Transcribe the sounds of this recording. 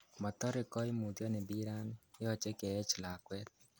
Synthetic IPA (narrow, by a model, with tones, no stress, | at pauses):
mɔ˨t̪ɔ˦ɾɪ˨kɔ˦ɪ˦mu˨d̪jɔ˦nɪ˨bi˦ɾa˦nɪ˦ɔ˦t͡ʃe˦kɛ˨ɛ˦t͡ʃla˨kwɛ˦t̪̚